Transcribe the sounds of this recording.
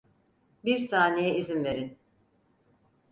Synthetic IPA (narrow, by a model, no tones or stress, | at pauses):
biɾsaːnejɛizinve̞ɾin